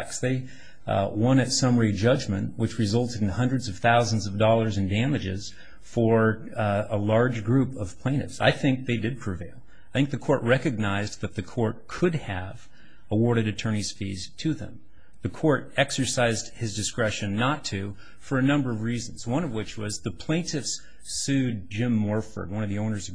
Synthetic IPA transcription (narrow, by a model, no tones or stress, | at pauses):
ksðeɪ | wʌ̃nɨtsʌ̃mə˞id͡ʒʌd͡ʒmɨ̃nʔwɨt͡ʃɹɨzʌlˠtɨɾ̃n̩hʌ̃ndɹɨdzʌv̥θaʊzn̩zʌvdɔlˠə˞zɨ̃n̩dæmɨd͡ʒɪ̰z̥ | fə˞ | əlɑɹd͡ʒɡɹʉpʌv̥pʰl̥ẽɪ̃ñɨ̰fsa̰ɪθɪ̃ŋk̚ðeɪdɨd̚pʰɹ̥ɨveɪlˠ | aaɪθɪ̃ŋk̚ðɨkʰɔɹʔ̚ɹɛkɨɡ̚naɪzðɨt̪̚ðɨkʰɔɹt̚kʰɨd̚ɨv | əwɔɹɾɨɾɨtʰɜ̃˞ñiz̥fḭz̥tʰɨðə̰̃m | ðɨkʰɔɹɾɛksə˞saɪzd̥̚hɨzdɨskɹɛʃɨ̃nːətʰʉ | fə˞ɨnʌ̃mbə˞ʌvɹizn̩zwʌ̃nʌvwɨt͡ʃwʌzðɨpʰl̥ẽɪ̃ntʰɨfs | sʉd̚d͡ʒɪ̃mːɔɹfə̰˞d̚wʌ̃nʌvðiõʊ̃nə˞zʌ